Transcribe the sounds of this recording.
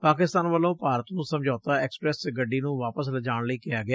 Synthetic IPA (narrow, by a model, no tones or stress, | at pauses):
paːkɪst̪aːnʋəlõːpaːɾət̪nũːsəmd͡ʒaːt̪aːɛːkspɾɛːsɡəɖːiːnũːʋaːpəs̬ləd͡ʒaːɳ̃ləiːkɪjaːɡɪaː